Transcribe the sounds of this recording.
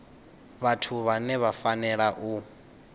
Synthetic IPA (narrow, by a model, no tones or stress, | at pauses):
βatʰuβanɛβafanɛɺaʔu